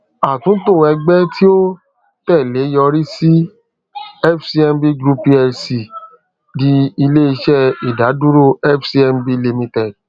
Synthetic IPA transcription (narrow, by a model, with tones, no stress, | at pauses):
a˨tũ˨˦to˦˨ɛ˧ɡ͡bɛ˦ti˦o˦ | tɛ˦˨le˨˦jɔ˧ɾi˦si˦ | ɛ˦fsi˧˦ɛ˧mbi˦ɡɾu˧pi˦ɛ˧si˨ | di˧i˧le˦i˧ʃɛ˦˨i˨da˨˦du˦ɾo˦˨ɛ˦fsi˧ɛ˧mbi˦li˧mĩ˧tɛ˦˨d̚